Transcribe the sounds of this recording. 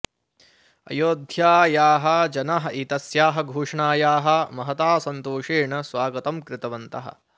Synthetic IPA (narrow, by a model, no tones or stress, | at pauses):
ɐ̰joːd̪ʱjaːjaːɦɐ̆d͡ʒɐnaɦɐʔit̪ɐsjaːɦɐ̆ɡʱuːʂɳaːjaːɦɐ̆mɐɦɐt̪aːsɐnt̪oːʂeːɳɐsʋaːɡɐt̪ɐmkɾɪt̪ɐʋɐnt̪ɐɦɐ̰